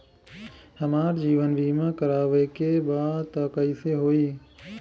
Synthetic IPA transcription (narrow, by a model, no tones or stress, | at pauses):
həmaːɾd͡ʒiːʋənbiːmẽkəɾaːʋekebaːt̪əːkəiseɦoːiː